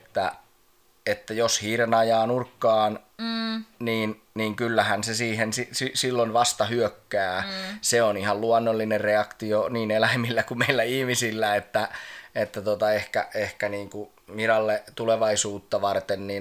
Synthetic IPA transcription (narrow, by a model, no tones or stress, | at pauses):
t̪ːæ̰ | et̪ːæjoshiːɾenɑjɑːnurkːɑːn | niːn | niːŋkylːæhænsesiːhensisisilːonʋɑst̪ɑhyøkːæːseonihɑlluɑnːolːinerreɑkt̪ioniːnelæimilːækumeilːæihmisilːæet̪ːæet̪ːæt̪ot̪ɑehkæehkæniːŋku | miɾɑlːet̪uleʋɑisuːt̪ːɑʋɑrt̪enniːn